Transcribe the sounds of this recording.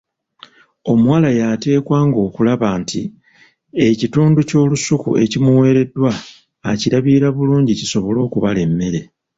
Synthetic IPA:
o̞muwaːlajate̞ːkwaːŋɡo̞ːkulaβaːnti | e̞cituːnduco̞ːlusukṵe̞̰cimuwe̞ːɾe̞dːwaː | ciɾaβiɾaβuluːɲɟiciso̞βo̞lo̞ːkuβale̞mːe̞ɾe̞

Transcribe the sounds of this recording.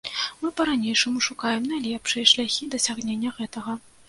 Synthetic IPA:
mɨpɐɾanʲejʂɐmuʂukajɛmnajlʲɛpʂɨjɐʂlʲaxʲid̪ɐsʲaɣnʲenʲːɐɣɛt̪ɐɣɐ

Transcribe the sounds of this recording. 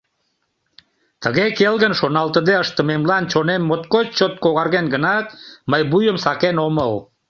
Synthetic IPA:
t̪əɣekelɣənʃonɑlt̪əd̪eəʃt̪ə̆memlɑnt͡ɕonemːot̪kot͡ɕot̪̚koɣɑɾɣenɡənɑt̪məjbujəmsɑkenoməl

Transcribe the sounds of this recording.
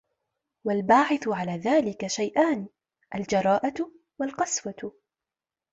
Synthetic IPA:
walbaːʕɪθʕalaːðaːlɪkaʃajʔaːn | ʔald͡ʒɑɾˤɑːʔa | walqɑswa

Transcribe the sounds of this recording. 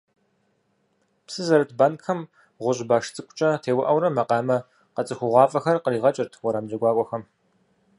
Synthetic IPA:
psɨzɐɾɨtʰbaːnkʰɐm | ʁʷʊʑbaːʂt͡sʼɨkʷʰʼʊ̥t͡ʃʼɐtʰeːwɐʔɐwɾɐmɐqɑːmɐ | qɐt͡sʼɨxʷʊʁʷɑːfʼɐxɐrqəriːʁɐt͡ʃʼɪrtʰwɔɾamd͡ʒɐɡʷɑːkʷʼɔxɐm

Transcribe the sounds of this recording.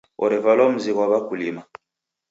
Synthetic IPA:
ɔ̰ɾɛvalɔm̩ziɣwaβakulima

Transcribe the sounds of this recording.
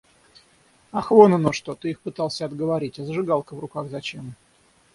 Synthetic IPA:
ɐxvonənoʂt̪ot̪ɨixpɨt̪ɑlˠsʲəɐd̪ɡəvɐɾʲitʲɐzəʐɨɡɑlˠkəvrʊkaɣzɐt͡ɕem

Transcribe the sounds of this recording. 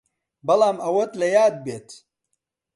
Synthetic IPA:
bɐlaːmɐwot̪lɐjaːd̪̚beːt̪

